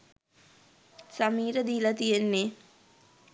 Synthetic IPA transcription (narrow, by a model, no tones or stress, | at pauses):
samiːɾəd̪iːlat̪ijenːe